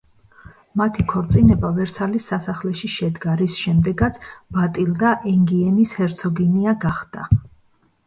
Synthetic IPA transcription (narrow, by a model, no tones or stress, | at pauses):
mat̪ʰikʰɔɾt̪sʼinɛbavɛɾsʰalisːasaχlɛʃiʃɛd̪ɡaɾisʃɛmd̪ɛɡat̪sʰb̥at̪ʼild̪aʔɛŋɡiɛnishɛɾt̪sʰɔɡiniaɡaχd̪̥a̰